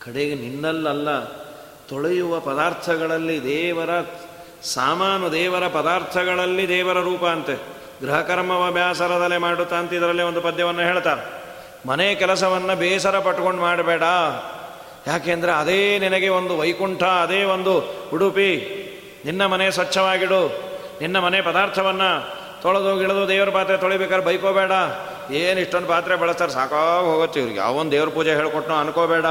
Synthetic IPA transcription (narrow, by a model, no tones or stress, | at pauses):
kɐɽeɡeninːɐlːɐlːɐ | t̪oɭejuʋɐpɐd̪aːɾt̪ʰɐɡɐɭɐlːid̪ɛːʋɐɾɐ | saːmaːnud̪ɛːʋɐɾɐpɐd̪aːɾt̪ʰɐɡɐɭɐlːid̪ɛːʋɐɾɐɾuːpɐːnt̪e | ɡɾɐɦɐkɐɾɐmɐʋɐbʱjaːsɐɾɐd̪ɐlːemaːɽut̪ːaːnt̪ɐid̪ɐɾɐlːiond̪upɐd̪jɐʋɐnːɐɦeːɭt̪aːɾe | mɐnɛjɐkɛlɐs̬ɐʋɐnːɐbɛːsɐɾɐpɐʈːko̞ɳɖmaːɽɐbɛːɽɐ | jaːkeːnd̪ɐɾeɐd̪eːninɐɡe̞ond̪uʋɐjkuɳʈʰɐːd̪eːond̪uhuɽupi | ninːɐmɐnejɐsʋɐt͡ʃːɐʋaːɡiɽu | ninːɐmɐnɛjpɐd̪aːɾt̪ʰɐʋɐnːɐ | t̪ɔɭɐd̪oːɡiɭɐd̪oːd̪eːʋɐɾɐpaːt̪ɾet̪oɭibɛːkad̪ɾɐbɐjkoːbɛːɽɐ | eːniʂʈonpaːt̪ɾebɛɭɐst̪aːɾesaːkaɡɦoːɡot̪ːeiʋɾiɡja̰ːʋond̪d̪eːʋɐɾɐpuːd͡ʒeɦeːɭkoʈnoːɐnkoːbɛːɽɐ